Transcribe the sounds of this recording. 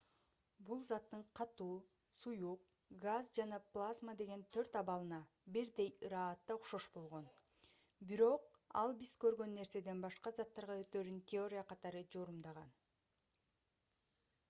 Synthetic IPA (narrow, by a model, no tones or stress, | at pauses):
bulˠzɑt̪ːɯɴqʰɑt̪uː | sujuq̚ | ɡazd͡ʒɑnɑplˠazmad̪e̞ɡe̞nt̪ʰø̞ɾt̪ɑβɑlˠɯnɑ | biɾd̪e̞jɯɾɑːt̪ːɑuχʃo̞ʃbo̞lˠʁo̞n | biɾo̞qɑ̰lˠbizkø̞ɾɡø̞nːe̞ɾse̞d̪e̞nbɑʃqɑzɑt̪ːɑɾʁɑø̞t̪øːɾyŋkʲɪo̞ɾʲijaqɑt̪ɑɾɯd͡ʒo̞ɾumd̪ɑʁɑn